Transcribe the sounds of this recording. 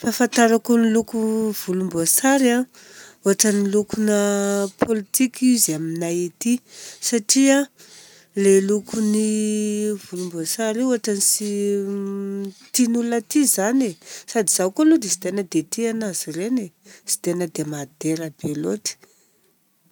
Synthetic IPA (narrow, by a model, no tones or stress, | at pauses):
fafant̪aɾakonilukuv̥ulumboasaɾa | uaʈ͡ʂənilukunəpʰolit̪ikizaminaet̪isaʈ͡ʂia | lelukuni | vulumboasaɾeuaʈ͡ʂanisi | t̪inulat̪izanesad̪iz̥akolud̪esi̥t̪enəd̪et̪ianaz̥irenesi̥t̪enəd̪emad̪eɾabeloti̥